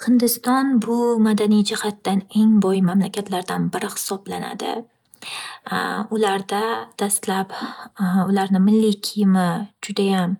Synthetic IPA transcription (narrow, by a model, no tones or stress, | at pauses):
hɨnd̪ɪst̪ɒnbʊmad̪anijd͡ʒɪhat̪ːane̞ŋbɒjɪmamlakʲʰat̪ʰlaɾd̪anbɪɾɪhɪ̥sɒblana̰d̪ɪ̰ | ʊlaɾd̪ad̪̥ast̪lap | ʊlaɾnɪmɪlːikʲʰɪjɪmɪd͡ʒʊd̪ajam